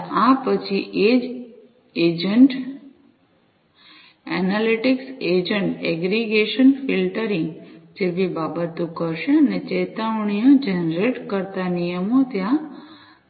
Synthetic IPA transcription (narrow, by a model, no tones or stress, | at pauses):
ãpət͡ʃʰiʔed͡ʒ | ed͡ʒəɳʈ | ɛnaliʈiksed͡ʒəɳʈɛɡɾiɡeʃənfilʈəɾĩŋɡd͡ʒebibabət̪ũkəɾʃeənet͡ʃet̪aʋɳ̃ijõd͡ʒɛnɾeʈkəɾt̪anijəmot̪jã